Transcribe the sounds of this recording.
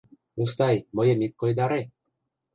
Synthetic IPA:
ust̪ajmojemit̪̚kojd̪aɾe

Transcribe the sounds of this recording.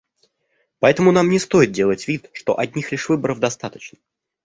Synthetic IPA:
pɐɛt̪əmʊnamnʲɪst̪o̞jɪt̪̚dʲe̞lˠətʲvʲit̪ʂt̪o̞̰ʔɐdʲnʲixlʲɪʂvɨbəɾəvd̪ɐst̪at̪ə̥t͡ɕnə

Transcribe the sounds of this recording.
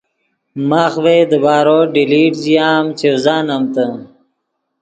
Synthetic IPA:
maːxweːd̪əbaːɾoːɖiliːʈd͡ʑijaːmt͡ɕewzaːnɐmt̪ə

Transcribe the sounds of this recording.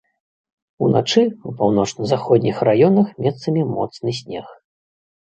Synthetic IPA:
una̰t͡ʂɨupawn̪ɔt͡ʂnɐzaxɔd̪ʲnʲixrajɔnɐxmʲɛt̪sɐmʲimɔ̰t̪snɨsʲnʲɛx

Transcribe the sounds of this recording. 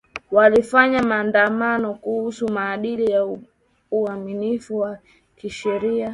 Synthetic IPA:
walifaɲamaːndamanɔkuhusumaːɗilija | uaminifuwa | kiʃɛɾia

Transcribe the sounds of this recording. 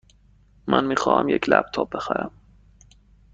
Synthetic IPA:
mʔænmiːxɒːhæ̰mjecʰlæb̥̚t̪ʰɒːb̚bexæɾæm

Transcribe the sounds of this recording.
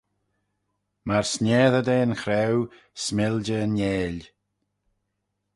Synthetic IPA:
maɹsnʲɛːðəd̪eːnxɾɛw | smɪld͡ʒəənjeːlʲ

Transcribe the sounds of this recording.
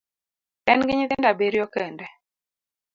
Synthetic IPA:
ɛnŋɡɪɲɪðɪndabeɾjɔkɛndɛ

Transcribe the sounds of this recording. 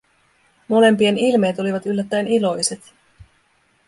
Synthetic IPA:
mo̞le̞mpie̞nilme̞ːt̪o̞liʋɑt̪ylːæt̪ːæenilo̞jse̞t̪

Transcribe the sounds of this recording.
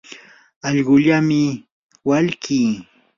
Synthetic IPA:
ɑʎɢʊʎamɪ | waʎkʰiː

